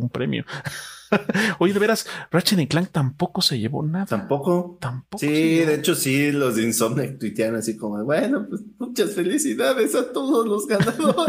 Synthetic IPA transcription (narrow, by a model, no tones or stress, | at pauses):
umpɾemjo̰ | ojeðeβeɾasrat͡ʃeðeŋklaŋ̚t̪ampo̞ko̞se̞ʝeβo̞̰naðaampo̞kot̪amposiðeet͡ʃo̞silozinsomnek̚t̪wit̪jaɾonasikomoβwenopwesmut͡ʃasfelisiðaðesat̪o̞ðozlozɣanaðo